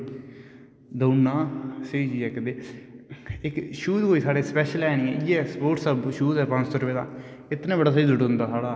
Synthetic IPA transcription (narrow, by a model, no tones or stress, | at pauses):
d̪əːnːaːsed͡ʒiːɛːkəd̪eː | ɪkʃuːt̪ɦoːiːsaːɽeːspɛːʃəlɛːñĩːɛ̰̃ːiːɛːspoːʈsəbʃuːt̪ɛːpãnt͡ʃt̪oɾʊeːd̪a̰ːɪt̪nãːbəɽaːsəiːd̪ʊʈɦʊ̃nd̪aːsaːɽaː